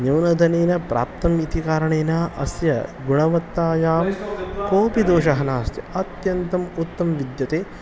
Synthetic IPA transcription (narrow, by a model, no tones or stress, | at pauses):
nɐwnɐd̪ʱɐneːnɐpɾa̰ːp̚t̪ɐmit̪ikaːɾɐɳeːnaːʔɐ̰sjɐ̰ɡuɳɐʋɐt̪ːaːjaːmkoːpid̪oːʃɐɦɐnaːst̪jɐɐt̪jɐnt̪ɐmut̪ːɐmʋid̪jɐt̪eː